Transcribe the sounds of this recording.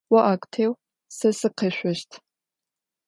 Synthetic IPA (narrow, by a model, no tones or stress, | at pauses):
wɐʔaːkʷʼtʰeːw | sɐsɨqʰeɕʷɔʃtʰ